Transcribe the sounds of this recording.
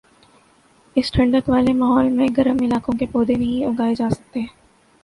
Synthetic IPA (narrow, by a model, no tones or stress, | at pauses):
ɪsʈʰɐ̃ɳɖəkʋaːlemaːɦɔːlmẽɡɐɾəmɪlaːkõkepoːd̪enɐɦĩʊɡaːed͡ʒaːsɐk̚t̪eɦɛ̃ː